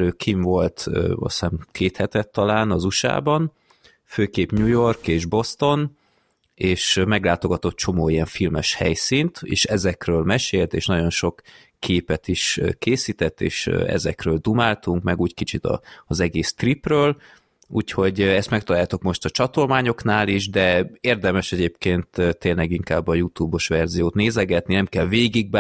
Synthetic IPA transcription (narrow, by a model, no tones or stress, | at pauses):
øːkʰiɱvo̞lt̪ːɒ̰saːnkʰeːt̪hɛt̪ɛt̪ːɒlaːnɒzuʃa̰ːbɒn | føːkeːpɲuːjo̞rkeːʒbo̞st̪o̞n | eːʃmɛɡlaːt̪o̞ɡɒt̪ot̪̚t͡ʃo̞moːijɛɱfilmɛʃhɛ̰jsint̪ḛːʃɛzɛkrøːlmɛʃeːlt̪ḛːʃnɒɟo̞nʃo̞kːʰ | eːpɛt̪iʃkeːsiːt̪ɛt̪ːḛːʃɛ̰zɛkrøːld̪umaːlt̪uŋkmɛɡuːckit͡ʃit̪ɒ̰zɛɡeːst̪riprøːl | uːcho̞ɟɛst̪mɛk̚t̪ɒlaːjat̪o̞kmo̞ʃt̪ɒt͡ʃɒt̪o̞lmaːɲo̞knaːliʒd̪ɛeːrd̪ɛmɛʃɛɟeːpkeːnt̪t̪ːeːnlɛɡiŋkaːbːɒjut̪uːbo̞ʃʋɛrzijoːt̪neːzɛɡɛt̪ninɛmkɛlveːɡiɡ̚b